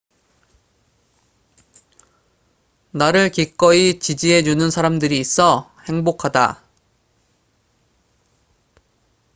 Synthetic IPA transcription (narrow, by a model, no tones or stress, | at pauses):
naɾɯɭkik͈ʌit͡ɕid͡ʑiɦe̞d͡ʑunɯnsʰaɾamdɯɾiːs͈ʰʌhe̞ŋbokʰada̰